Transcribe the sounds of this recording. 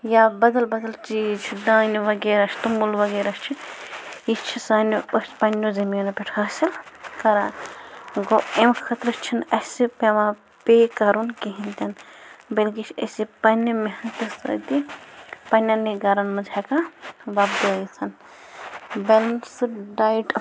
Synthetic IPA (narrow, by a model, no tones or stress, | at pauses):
jabɐd̪ɐlbɐd̪ɐlt͡ʃiːt͡ʃʰid̪ãːniʋɐɡeːɾɐt͡ʃʰt̪umulʋɐɡeːɾɐst͡ʃʰi | ist͡ʃʰisaːniɐspɐnʲːozɐmonɐpʲeʈʰɐɐsilkɐɾa | ɡoemkʰɐt̪ɾɨst͡ʃʰinɐsɨpemã | pekɐɾunkiɦint̪ɐnbɐlɡit͡ʃʰɐ̰sipɐnimeɦɐt̪ɐsɐ̰t̪ipɐnʲɐneɡɐɾɐnmɐd͡ʒɛkaʋab̚d̪oit͡sʰɐn | belɐnsɨɖajʈ